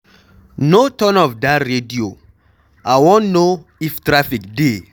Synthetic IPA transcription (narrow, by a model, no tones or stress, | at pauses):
notɔ̃nɔfdatɹedio | aɪwɔ̃nnoiftɹafikde